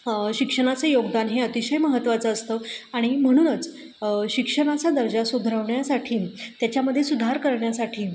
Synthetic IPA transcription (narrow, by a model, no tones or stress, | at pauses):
ɕikʂəɽ̃at͡sejoɡd̪anɦeət̪iɕəjməɦət̪ːʋat͡səːst̪əaɽ̃im̤əɽ̃uːnət͡s | ɕikʂəɽ̃at͡sad̪əɾd͡ʑasuɡʱɾəʋɳjasaʈʰiːt̪jat͡ɕjaməd̪ʱjesud̪ʱaɾkəɾɳjasaʈʰiː